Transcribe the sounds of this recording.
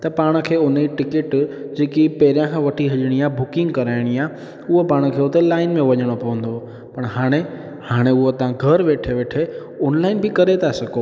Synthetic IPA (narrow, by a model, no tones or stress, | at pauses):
t̪ɐpaːɽ̃ə̆kʰeːʊnʈɪkɪʈd͡ʑeːkipɐɦɪɾijãkʰãʋɐʈʰiɦɐʄəɽ̃iaːbʊkɪ̃ŋɡkɐɾaːɪɽ̃iaː | ʊɦopaːɽ̃ʊkʰeːʊt̪elaːɪnmẽʋɐɲəɽ̃opɐʋə̃nd̪o | pɐɽ̃ɦaːɽ̃e | haːɽ̃eʊɦot̪ɐãɡʱɐɾʋeːʈʰeʋeːʈʰe | ɔːnlaːɪnbɪkɐɾet̪ʰasɐɡo